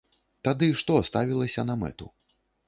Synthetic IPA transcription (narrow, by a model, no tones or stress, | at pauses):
t̪ad̪ɨʂt̪ɔst̪avʲilˠɐsʲɐnɐmɛ̰t̪ṵ